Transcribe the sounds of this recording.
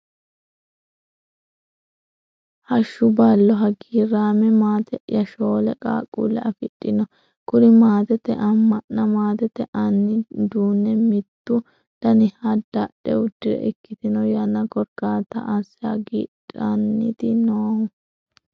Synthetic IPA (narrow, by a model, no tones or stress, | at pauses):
hɐʃːʊbɐlːɔɦɐɡiːɾaːmɛmaːt̪ɛʔjɐʃoːlɛkʼa̰ːkʼːṵːlːɛ̰ʔɐfɪᶑʼːɪnɔ | kʊɾɪmaːt̪ɛt̪ːɛ̰ʔɐmːɐʔːɐmaːt̪ɛt̪ːɛʔɐnːɪd̪uːnːɛmɪt̪ːʊ | d̪̥ɐnɪhɐd̪̥ɐɗɛʊd̪ːɪɾɛ̰ʔɛkːɪt̪ɪnɔjɐnːɐkɔɾɡaːt̪ɐ̰ʔɐsɪa̰ɡiːᶑʼɐnːɪt̪ɪnoːhʊ